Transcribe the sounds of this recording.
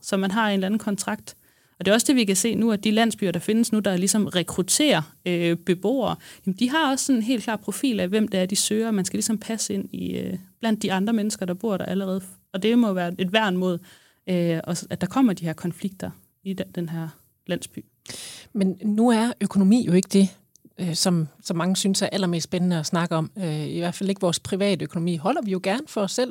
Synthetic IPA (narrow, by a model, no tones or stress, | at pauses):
sɒ̽mænɦɑ̈e̝nlænn̩kʰɒ̽nt͡sʰʁɑ̈ɡ̥d̥ | ɒ̽d̥e̝ɒ̽sd̥e̝ʋikæse̝̰ːnuæd̥ilæn̰sb̥y̰ɐɾ̥ɑ̈fe̝nəsnud̥ɑ̈lisɒ̽mʁɛkʰʁut͡sʰe̝̰ːɐøb̥e̝b̥o̝̰ːɐːjɛm̩d̥iɦɑ̈ɒ̽ssɒ̽ne̝nɦe̝̰lkʰlɑ̰̥̈ːpʰʁo̝fḭːlæʋem̰d̥ɑæɐd̥isøːɐmænsɡ̥ælisɒ̽mpʰæsəe̝n̰iøb̥læn̰d̥ːiɑ̈nd̥ʁɐmenəsɡ̥ɐd̥ɑ̈b̥o̝ɐ̰ɾ̥ɑ̈ʔæləʁɛːð̞̩ˠf | ɒ̽d̥e̝mɒ̽ʋæːɐe̝d̥ʋæɐ̰nmo̝̰ð̩̰ˠ | øɒ̽æd̥ɑ̈kʰɒ̽m̰ɐd̥ihæɐkʰɒ̽nfliɡ̥̚d̥ɐ | id̥enɦæɐ̰ | læn̰sb̥y̰ː | mennːuæɐʔøkʰo̝no̝mḭːjo̝e̝ɡ̥əd̥e̝ | øsɒ̽msɒ̽mːɑ̈ŋəsynsæɐʔælɐme̝̰ːsd̥b̥enənəɒsnɑ̈ɡ̥əɒ̽møiʋæɐfæle̝ɡ̥əʋɒːspʰʁiʋɛ̰ːd̥əøkʰo̝no̝mḭːɦɒ̽l̰ɐʋijo̝ɡ̥æɐnfɒ̽ɒ̽sːel̰